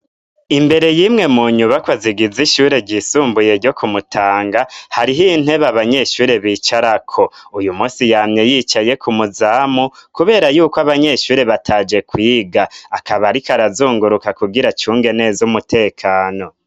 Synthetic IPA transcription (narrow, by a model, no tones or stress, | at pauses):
imbe̞ɾe̞jimŋe̞muːɲuβakwaziɡiziʃuːɾe̞ɟiːsuːmbuje̞ɾɟo̞kumutʰaːŋɡahaɾiɦin̥he̞βaβaɲe̞ʃuːɾe̞βiːt͡ʃaɾakʰo̞ujumuːsijamɲe̞jiːt͡ʃaje̞kʰumuzaːmukuβe̞ːɾajuːkwaβaɲe̞ʃuːɾe̞βatʰaːd͡ʒe̞kwiːɡaakaβaɾikaɾazuːŋɡuɾukakuɡiɾat͡ʃuːŋɡe̞ne̞zumutʰe̞ːkʰaːno̞